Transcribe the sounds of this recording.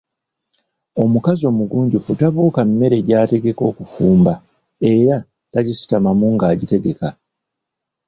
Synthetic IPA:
o̞mukazo̞ːmuɡuːɲɟufutaβuːkamːe̞ɾe̞ɟaːte̞ɡe̞ko̞ːkufuːmba | e̞ɾa | taɟisi̥tamamuŋɡaːɟite̞ɡe̞ka

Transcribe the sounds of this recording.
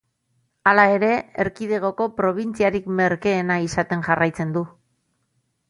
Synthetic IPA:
alae̞ɾe̞eɾkið̞e̞ɣ̞o̞ko̞pɾo̞β̞int͡siaɾikme̞ɾke̞ːnaisat̪e̞ŋʝarajt͡se̞nd̪u

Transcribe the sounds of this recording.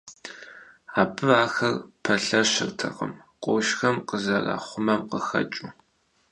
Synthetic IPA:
aːbɨaːxɐrpʰɐɬɐɕɪrtʰɐqəm | qʷʼɔwʃxɐmqəzɐra̰ːχʷʊmɐmqəxɐ̰t͡ʃʼu

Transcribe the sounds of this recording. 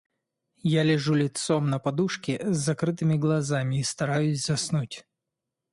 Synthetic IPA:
jalʲɪʐulʲɪt̪somnɐpɐd̪uʂkʲɪzːɐkɾɨt̪ɨmʲɪɡlˠɐzamʲɪːst̪ɐɾajʊsʲzɐsnutʲ

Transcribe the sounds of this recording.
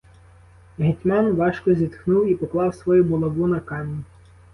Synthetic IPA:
ɦetʲmɑnʋɑʃkɔzʲit̪xnuwipɔklˠɑwsʋɔjubɔlˠɐʋunɐkɑmʲnʲi

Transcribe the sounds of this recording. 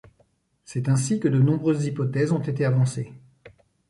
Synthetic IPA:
sɛt̪ɛ̃sikəd̪ənɔ̃bʁøzːipɔt̪ɛzɔ̃t̪et̪eavɑ̃se

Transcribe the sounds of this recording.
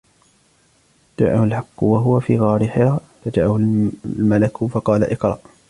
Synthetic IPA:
d̪̥a̰ʕa̰hʊlħɑqːʊwaɦʊwafiːɣɑːɾɪħɪɾ | fad͡ʒaʕahʊlmalakʊfɑqɑːlaʔɪqɾˤɑ̰ʔ

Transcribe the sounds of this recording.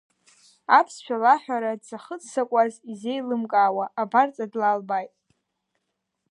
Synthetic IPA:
apʰsʃᶣʰalaħᶣaɾadzaχət͡sʼsakʷʼazizejlɨmkʼaːwaʔːbart͡sʼadlalbajtʼ

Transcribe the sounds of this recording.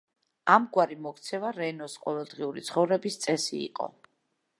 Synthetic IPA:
amɡwaɾimɔkʰt̪sʰɛvaɾɛnɔsqʼɔvɛlˠd̪ʁiuɾḭt̪sʰχɔvɾɛbist̪sʼɛsḭːqʼɔ̰

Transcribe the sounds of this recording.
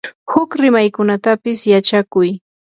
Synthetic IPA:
hʊkɾɪmajkʊnat̪apɪsjat͡ʃakʊj

